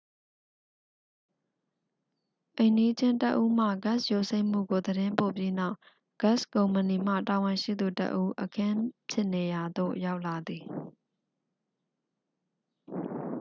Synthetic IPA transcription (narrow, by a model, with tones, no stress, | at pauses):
ʔẽ˨ɪ̃ndi˦d͡ʑɪ̃˦ntə˦ʔu˦m̥ä̰˦˨ɡa˦˨sjo˦˨se˦ɪ̃m̥ṵ˦˨ɡo˨d̪əɾɪ̃˦mpo˨pji˦na˦ʊʔ | ɡ̥a˦˨skõ˨ʊ̃mə˨ni˨m̥ä̰˦˨ta˨wɪ̃˨ʃḭ˦˨d̪u˨tə̰˦ʔu˦ʔəkʰɪ̃˦pʰjɪ˦ʔne˨ja˨d̪o̰˦˨ja˦ʊʔla˨d̪i˨